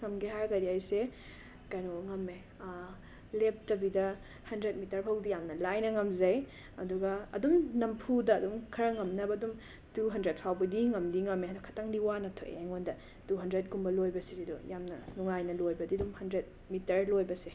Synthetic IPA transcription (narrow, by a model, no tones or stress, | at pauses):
ŋɐmɡiɦaɾɡɐɾiajse | kɐjnoŋɐmːe | lep̚tɐbidɐ | hɐndɾet̚mitɐɾpʰɐwdijamnɐlajnɐŋɐmzɐj | ɐduɡɐɐdumnɐmpʰudɐːdumkʰɐɾɐŋɐmnɐbɐdum | tuɦɐndɾet̚pʰawbɐdiŋɐmdiŋɐmeɐdokʰɐ̥taŋdiwanɐtʰo̰ʔḛŋondɐ | duɦɐndɾet̚ɡumbɐlojbɐsididujamnɐ̰nuŋajnɐlojbɐdidumhɐndɾet̚ | mitɐɾlojbɐse